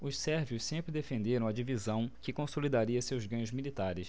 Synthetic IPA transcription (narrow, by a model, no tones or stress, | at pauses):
ʊʃsɛɾviʊʃssẽmpɾɪd̪efẽnd̪eɾɐ̃w̃ɐd͡ʒivizɐ̃w̃kɪkõsolid̪aɾiɐsewzɡɐ̃ɲʊzmilit̪aɾɪs